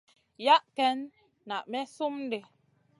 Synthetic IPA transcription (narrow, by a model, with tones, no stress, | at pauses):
ja˦ʔkɛ˦nː | a˨ʔmɛ˦so˦m˦de˨